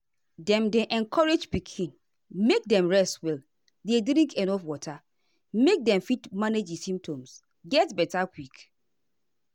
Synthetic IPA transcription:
dɛ̃mdeʔɛ̃nkʰɔɹed͡ʒpikʰĩn | mek̚dɛ̃mɹɛstwɛl | dedɾĩŋkʰɛnɔfwɔtʰa | mek̚dɛ̃mfitmaned͡ʒisĩmp̚tʰõms | ɡɛtbɛtakwik

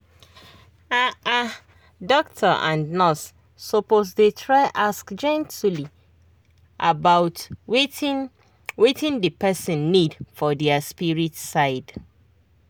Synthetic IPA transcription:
aa | dɔktʰəʔã̰nnɔs | sɔposdetʰɹaɪʔaskd͡ʒɛ̃ntuli | ʔabaʊtwe | wetɪ̃ndəpɛsɪ̃nːidfɔdɛaspiɹitsaɪd

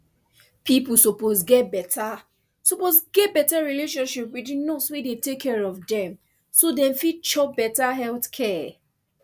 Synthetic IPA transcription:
pipusoposɡɛt̚bɛta | soposɡɛt̚bɛtaɹileʃɔ̃nʃipwidĩnoswedetekʰːɛɹɔvdɛ̃m | sodɛ̃mfit͡ʃɔbɛtaɦɛltkʰɛ

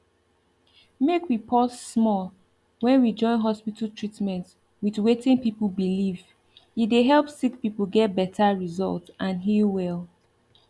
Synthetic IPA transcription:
mekwipʰɔsːmɔlˠ | wɛ̃nwid͡ʒɔ̃ɪ̃nɦɔspitl̩ˠtʰɹ̥itmɛ̃nt | wiðwetɪ̃ŋpipəlbiliv | ideɦɛlˠpsik̚pipəl̩ˠɡɛt̚bɛtʰaɹizɔ̰lˠtsʔãnɦiwɛlˠ

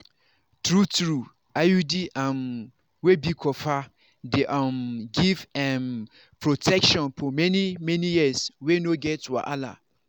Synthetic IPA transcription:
tʰɾutɾu | ajudiʔãn | webikʰɔfa | deʔãmɡivɛm | pʰɾotʰɛkʃɔ̃npʰɔmɛ̃nĩmɛ̃nĩjiswenoɡɛtwa̰ʔa̰la̰

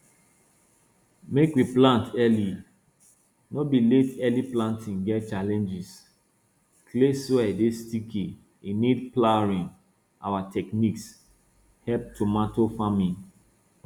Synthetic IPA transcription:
mekwiplãntɛli | nɔbiletɛliplãntʰĩnɡɛt̚t͡ʃalɛ̃nd͡ʒis | kleswɛdestikʰi | inidplaɹĩn | a̰watʰɛkniks | hɛp̚tumatofamĩn

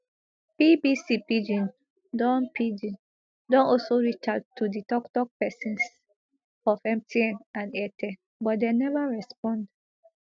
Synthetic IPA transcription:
pibisipid͡ʒĩn | dɔ̃npʰid͡ʒĩn | dɔ̃nɔlsoɹit͡ʃatʰːuditɔktɔk̚pɛsĩns | ɔfɛ̃m̚tʰiɛ̃nãnɛtʰe | bɔt̚denɛvaɹɛspɔ̃nd

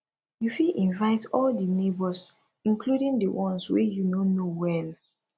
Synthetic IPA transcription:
jufiʔĩnvaɪtɔldənebɔs | ĩnkluɾĩŋdəwɔ̃nswejunonowɛ̃n

